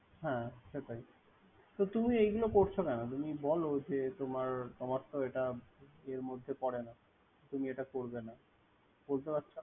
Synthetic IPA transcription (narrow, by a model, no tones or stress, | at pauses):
ɦɛ̃ʃeʈ̪aj | t̪ot̪umiejɡulokoɾt͡ɕʰokɛnot̪umibɔlod͡ʑet̪omaɾt̪ɔmat̪ːoeʈaeɾmod̪ʱːepɔɽena | t̪umieʈakoɾbena | b̥olt̪epat̪ːɕʰo